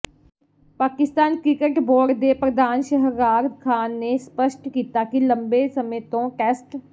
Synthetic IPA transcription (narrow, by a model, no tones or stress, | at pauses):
paːkɪst̪aːnkɾɪkəʈboːɖd̪eːpɾəd̪ʱaːnʃəɦəɾaːɾd̪kʰaːnːeːspəʃʈkiːt̪aːkilə̃mbeːsəmẽːt̪õːʈɛːsʈ